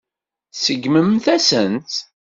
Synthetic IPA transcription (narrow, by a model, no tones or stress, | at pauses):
θsəɡməmθæsənt̪